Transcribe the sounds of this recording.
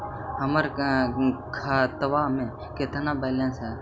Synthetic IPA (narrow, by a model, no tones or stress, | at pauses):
ɦəməɾ | kʰat̪əʋaːmẽ | keːt̪ʰənabɛːlẽnsɦɛː